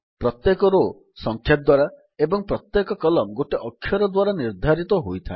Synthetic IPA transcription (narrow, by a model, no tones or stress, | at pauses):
pɾɔt̪jekɔɾo | sɔŋkʰjap̚d̪waɾa | ebɔŋpɾɔt̪jekɔkɔlɔmɡoʈeʔɔkʰːjɔɾɔd̪waɾaniɾd̪ʱaɾit̪ɔɦojt̪ʰa̰e